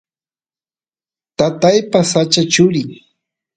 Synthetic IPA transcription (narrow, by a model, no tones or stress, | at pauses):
t̪at̪ajpasat͡ʃat͡ʃʊɾɪŋ